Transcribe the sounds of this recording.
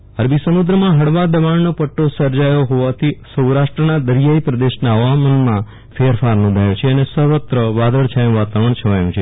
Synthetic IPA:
əɾbʱisəmud̪ɾəmãɦəɽʋad̪əʋaɳnopəʈːosəɾd͡ʒajoɦoʋat̪ʰisəwɾaʃʈɾənad̪əɾijaipɾəd̪eʃnaəʋamənmã | feɾfaɾnɔ̃nd̪ʱajot͡ʃʰeənesəɦʋət̪ɾəʋad̪ʱəɭt͡ʃʰajũʋat̪aʋəɳ̃t͡ʃʰəʋajũt͡ʃʰe

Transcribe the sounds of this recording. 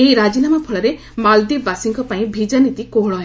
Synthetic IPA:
eiɾad͡ʒinamɔpʰɔɭɔɾe | mald̪ibasiŋkɔpaĩbʱid͡ʒanit̪ikoɦɭɔɦẽ

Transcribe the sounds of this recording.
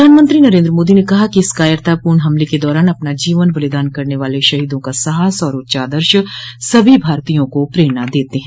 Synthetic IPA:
pɾd̪ʱaːnmə̃nt̪ɾinɐɾẽːnd̪ɾəmoːd̪inekɐɦakiɪskaːjəɾt̪apuːɾɳɦɐmleked̪ɔːɾaːnɐpnad͡ʒiːʋənbɐlɪd̪aːnkɐɾneʋaːleʃɐɦiːd̪õkasɐɦaːsɔːɾʊt̪ːʃaːd̪əɾʃsɐbʱibʱaːɾt̪ijõkopɾeːɾnad̪eːt̪eɦɛ̃

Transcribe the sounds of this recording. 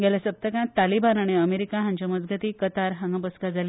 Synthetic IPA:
ɡalasəp̚t̪əkãt̪alibanaɽ̃iəmeɾikaɦãɲt͡ɕaməd͡zɡʱət̪iːkət̪aɾɦãŋɡəbəskad͡zali

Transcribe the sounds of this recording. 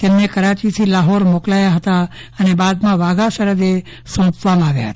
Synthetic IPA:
t̪emnekəɾat͡ʃit̪ʰilaɦoɾmoklajaɦət̪a | ənebad̪mãʋaɡaʃəɾəd̪e | sɔ̃pʋamãaʋja̰ɦə̰t̪a

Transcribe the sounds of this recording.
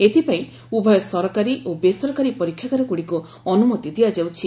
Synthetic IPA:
et̪ʰipaĩ | ubʱɔjɔsɔɾɔkaɾiʔobesɔɾɔkaɾipɔɾikʰjakaɾɔkuɽiku | ɔnumɔt̪id̪iad͡ʒawt͡ʃʰi

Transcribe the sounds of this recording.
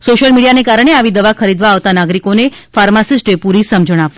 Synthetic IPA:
soʃəlmiɽijanekaɾəɳ̃eaʋid̪əʋakʰəɾid̪ʋaːʋt̪anaɡɾikonefaɾmasisʈepuɾisəmd͡ʒəɽ̃ap

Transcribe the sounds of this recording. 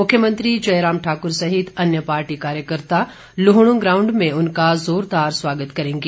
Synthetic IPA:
mʊkʰjəmə̃nt̪ɾid͡ʒɐjɾaːmʈʰaːkʊɾsɐɦɪt̪ʰɐnjəpaːɾʈikaːɾjəkəɾt̪a | lʊɦɽ̃ũɡɾaːʊ̃ɳɖmẽʊnkazoːɾd̪aːɾswaːɡət̪kɐɾẽːŋɡe

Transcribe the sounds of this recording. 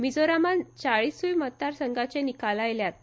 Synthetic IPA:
mid͡zoɾamant͡saɭisujmət̪ːaɾsəŋɡat͡ɕenikalajljat̪̚

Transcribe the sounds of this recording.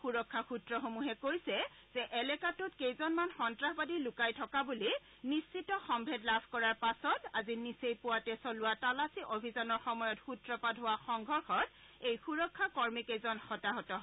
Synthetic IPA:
xuɹɔkʰːaxutɹɔxomuɦɛkojsɛ | z̥ɛʔɛlɛkatʊtkejzɔnmanxɔntɹaɦbadilʊkajtʰɔkabuli | nisːitɔxɔmbʱɛdlabʱkɔɹaɹpasɔta̰zinisejpʊwatɛsɔlʊwatalasiʔobʱizɔnɔɹxɔmɔjɔtxutɹɔpadʱɦowaxɔŋɡʱɔɹxɔt | ejxuɹɔkʰːakɔɹmikejzɔnxɔtaɦɔtɔɦ

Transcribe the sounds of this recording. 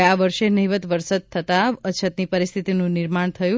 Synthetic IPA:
aʋəɾʃenəɦiʋət̪ʋəɾsəd̪̚t̪ʰːət̪aət͡ʃʰət̪nipəɾist̪ʰit̪inũniɾmaɳ̃t̪ʰəjũ

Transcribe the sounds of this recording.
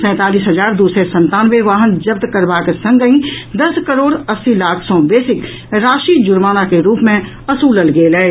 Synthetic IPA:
sɛ̃ːt̪aːliːsɦɐzaːɾd̪uːsɾesɐ̃nt̪aːnʋeʋaːɦənd͡ʒɐb̚t̪kəɾbaːkesɐ̃ŋɡəĩd̪ɐskəɾoːɽɐsːilaːkʰsɔ̃b̪eːsɪk | ɾaːʃiːd͡ʒʊɾmaːnakeɾuːpmẽ | ɐsuːləlɡeːlɛː

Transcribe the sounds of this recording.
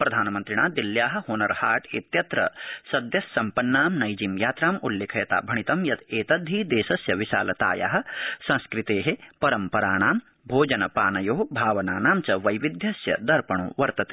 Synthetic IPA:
pɾɐd̪ʱaːnɐmɐnt̪ɾiɳaːd̪iljaːɦɐ̆hoːnɐɾhaːʈḛːt̪jɐt̪ɾɐ̰sɐd̪jɐsːɐmpɐnːaːmnɐjd͡ʒimjaːt̪ɾaːmuljeːkʰɐjɐt̪a̰ːbʱɐɳ̃it̪ɐmjɐt̪eːt̪ɐd̪ʱːiːd̪eːʃɐsjɐʋiʃa̰ːlɐt̪a̰ːja̰ːɦɐ̆sɐ̃nskɾit̪eːɦepɐɾɐmpɐɾaːɳaːm | bʱoːd͡ʒɐnɐpaːnɐjoːbʱaːʋɐnaːnaːmt͡ʃɐʋɐjʋid̪ʱjɐsjɐ̰d̪ɐɾpɐɳ̃ṵːʋɐɾt̪ɐt̪e̥

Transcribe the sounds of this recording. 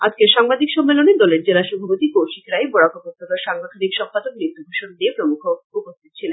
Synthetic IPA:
a̰d͡ʑkeʃaŋbad̪ʱikʃɔmːeloned̪ɔleɾd͡ʑelaʃɔbʱapot̪ikoʃikɾajbɔɽakobot̪ːok̪aɾʃaŋbot̪ʰanikʃɔmpad̪ok̚nit̪ːubʱuʃond̪iepɾomukʰoupost̪ʰit̪̚t͡ɕʰilen

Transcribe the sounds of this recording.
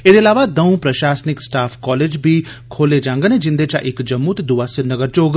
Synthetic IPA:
eːd̪eːɐlaːʋad̪əũpɾəʃaːsnɪksʈaːpʰkɔːleːd͡ʒbʱiː | kʰoːled͡ʒãːŋɡəned͡ʒɪ̃nd̪et͡ʃa̰ʔɪkd͡ʒɐmːut̪ed̪uʋaːsɪɾnəɡəɾt͡ʃoːɡ

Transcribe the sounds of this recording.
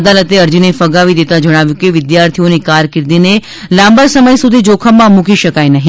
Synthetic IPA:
d̪alət̪eəɾd͡ʒinefəɡaʋid̪et̪ad͡ʒəɽ̃aʋjũkeʋɪd̪jaɾt̪ʰionikaɾkɪɾd̪ine | lãmbəɾsəməjsud̪ʱid͡ʒokʰəmːãmũkiʃəkajnəɦĩ

